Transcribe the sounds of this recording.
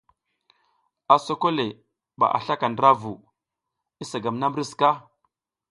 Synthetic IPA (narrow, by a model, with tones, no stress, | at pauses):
a˨so˦ko˦le˨ | ɓa̰˨ʔa̰˨ɬa˦ka˨ndɾa˦vu˨ | i˦sa˨ɡa˨mna˦m˦ɾi˦ska˦